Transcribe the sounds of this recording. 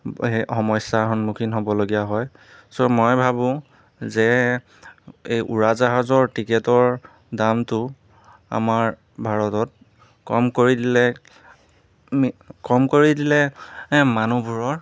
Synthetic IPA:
exɔmɔsaɹɦɔnmukʰinɦobɔloɡijaɦɔj | somɔjbʱabʊ̃ | zɛ | ejʔṵɹazaɦɔzɔɹtikɛtɔɹ | damtʊ | a̰maɹ | bʱaɹɔtɔt̚ | kɔmkoɹidilɛ | kɔmkoɹidilɛmanubʱuɹɔɹ

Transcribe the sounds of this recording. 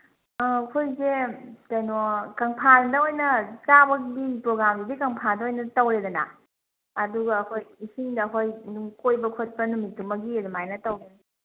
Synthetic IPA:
ɐkʰojzetajnokɐŋpʰaldɐojnɐt͡ʃabɐkdipɾoɡɾamdidikɐŋpʰandɐojnɐtɐwɾedɐna̰ː | duɡɐːkʰojisiŋdɐːkʰojnuŋkojbɐkʰot̚pɐnumitːumɐɡiɐdumajnɐtɐwɡe

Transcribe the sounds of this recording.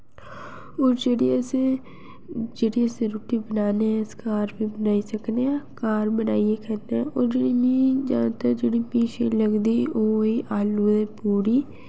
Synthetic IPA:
oːɾd͡ʒeːɽiːəsẽː | d͡ʒeːɽiːəsẽːɾoːʈiːbənaːnẽskaːɾpiːbənaːiːsəkneːãːkaːɾbəna̰ːieːkəneaoːɾd͡ʒeːɽiːnid͡ʒã̰ːnt̪aːd͡ʒeːɽiːpiːʃʰḛːləɡd̪iːʔoːiːʔaːluːd̪eːpuːɾiː

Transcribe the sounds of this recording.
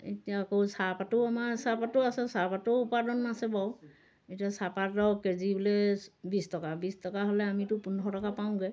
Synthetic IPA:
etijakowsapatɔamasapatʊasɛsapatoupadɔnːasɛbaw | etiasapatɔwkeziblɛbistɔkabistɔkaɦolɛamitʊpunʱɔtɔkapaʊ̃ɡɛ

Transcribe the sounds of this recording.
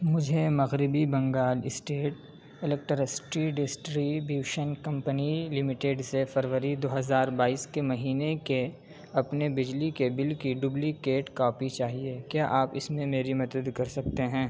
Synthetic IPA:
mʊd͡ʒʱemɐɣɾɪbibɐ̃ŋɡaːlɪsʈeːʈ̚ | ɪlɛk̚ʈɾəsʈɾiɖɪsʈɾiːbiʋʃənkɐ̃mpənilɪmɪʈeːɖsefɐɾʋəɾid̪oːɦɐzaːɾbaːiːskemɐɦiːneke | ɐpnebɪd͡ʒlikebɪlkiɖʊblikeːʈkɔːpit͡ʃaːɦiekjaːʔaːpɪsmẽmeːɾimɐt̪əd̪kɐɾsɐk̚t̪eɦɛ̃ː

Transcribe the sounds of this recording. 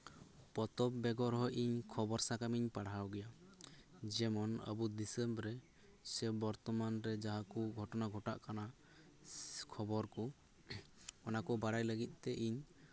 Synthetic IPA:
pɔt̪ɔpbɛɡɔɾɦɔjʔiɲkʰɔbɔɾsakamiɲpaɽɦawɡɛja | d͡ʒɛmɔnə̰bud̪isɛmbɾɛ | sɛbɔɾt̪ɔmanɾɛd͡ʒaɦakuɡʱɔʈɔnaɡʱɔʈa̰ʔkana | kʰɔbɔɾkɔ | ɔnakɔbaɽajləɡit̪̚ˀt̪ɛʔiɲ

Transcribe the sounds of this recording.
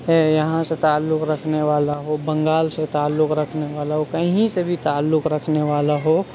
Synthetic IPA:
jɐɦãset̪aːlːʊkɾəkʰneʋaːlaɦobə̃ŋɡaːlset̪aːlːʊkɾəkʰneʋaːlaɦokəɦĩsebʱit̪aːlːʊkɾəkʰneʋaːlaɦo

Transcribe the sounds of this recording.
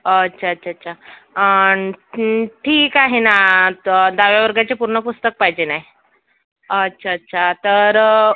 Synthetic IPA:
ətːɕʰaətːɕʰaətːɕʰaə | ʈʰiːkaɦina | d̪aʋjaʋəɾɡat͡ɕepuɾɳəpust̪ək̚paɦid͡ʑenaj | ətːɕʰaətːɕʰat̪əɾ

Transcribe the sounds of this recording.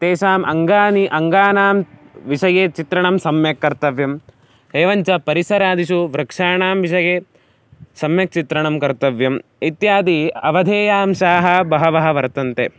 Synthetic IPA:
t̪eːʃaːmʔɐŋɡaːniʔɐŋɡaːnaːmʋiʃɐjeːt͡ʃit̪ɾɐɳɐmsɐmjɐkːɐɾt̪ɐʋjɐm | eːʋɐɲt͡ʃɐpɐɾisɐɾaːd̪iʃ̬uʋɾɐkʂaːɳaːmʋiʃɐjeː | sɐmjɐk̚t͡ʃit̪ɾɐɳɐmkɐɾt̪ɐʋjɐmit̪jaːd̪iɐʋɐd̪ʱeːjaːmʃaːɦɐbɐɦɐʋɐɦɐʋɐɾt̪ɐnt̪eː

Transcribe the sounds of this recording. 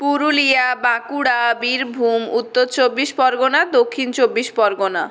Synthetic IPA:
puɾulijabãkuɽabiɾbʱumut̪ːoɾt͡ɕobːiʃpɔɾɡonad̪okʰːint͡ɕobːiʃpɔɾɡona

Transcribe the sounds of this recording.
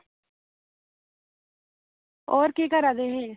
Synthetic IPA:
oːɾkeːkəɾaːd̪eːɦeː

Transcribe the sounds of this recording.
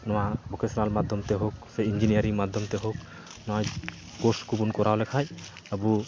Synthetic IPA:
nɔwabɔkʰɛsɔɾalmad̪ʱjɔmt̪ɛɦok̚sɛind͡ʒinijaɾiŋmad̪ʱjɔmt̪ɛɦok̚ | nɔaj | koskubunkɔɾawlɛkʰaj | əbu

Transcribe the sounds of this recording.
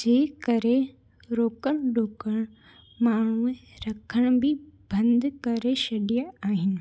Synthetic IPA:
d͡ʑeːkɐɾe | ɾoːkəɽ̃ɖʱoːkəɽ̃ | maːɳ̤uẽɾɐkʰəɽ̃bɪbɐ̃nd̪ʱkɐɾeʃɐɗijaaːɦɪnɪ̆

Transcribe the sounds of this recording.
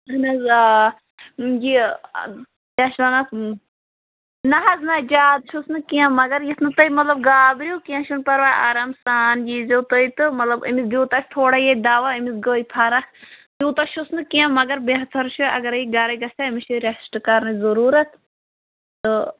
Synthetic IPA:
nɐza | d͡ʒi | ãʃanɐ | nɐɦɐznad͡ʒaːd̪ʃusnɨkijãmɐɡɐɾjit̪ʰnɨt̪ɐimɐt̪lɐb̚ɡaːbɾʲjukijãʃunpɐɾʋaːjaːɾɐmsaːnd͡ʒiːzowt̪əit̪ɨmɐt̪lɐbḭmisd̪juːt̪ɐt͡ʃʰʲt̪ʰoːɽajed̪aːʋaimisɡoːipʰɐɾɐkd̪ʲuːt̪ɐʃusnɨkijãmɐɡɐɾbeɦɐt̪ʰɐɾʃʰuɐ̰ɡɐɾɐiɡɐɾɐɡɐsaimiʃuɾʲɐsʈɨkɐɾnɨzɐɾuːɾɐt̪ʰ | t̪ɨ

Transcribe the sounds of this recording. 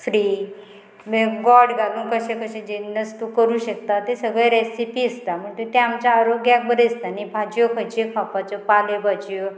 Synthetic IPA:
fɾi | meɡɔɽɡad̪uːnkəɕẽkʰəɕẽd͡ʑenəst̪ukəɾuːɕək̚t̪at̪esəɡɭẽɾesipiəst̪am̤əɳt̪et̪eamt͡ɕaːɾoɡjak̚bəɾest̪anibʱad͡ʑjokʰəd͡ʑekʰapat͡sɔpalebad͡ʑjo

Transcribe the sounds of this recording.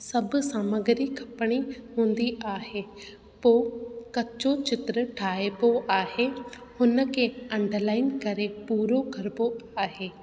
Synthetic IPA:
sɐbʊ̆saːməɡɪɾikʰɐpəɽ̃iɦũːnd̪iʔaːɦeː | poːkɐt͡ɕot͡ɕɪt̪ɾəʈʰaːepoʔaːɦehʊnə̆kʰeːɐ̃ɳɖlaːɪnkɐɾepuːɾokɐɾpoaːɦeː

